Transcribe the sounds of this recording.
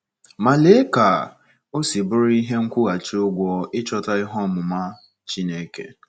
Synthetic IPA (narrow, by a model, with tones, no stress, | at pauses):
ma˨le˦ka˨ | o˦si˨bʊ˦ɾi˦ɦe˦ŋ̩˦kʷʊ˦ɣa˨t͡ʃɪ˦ʊ˦ɡʷɔ˦ɪ˦t͡ʃɔ˦ta˦ɪ˦ɦɔ˦mʊ˨ma˦ | t͡ʃi˦ne˦kḛ˨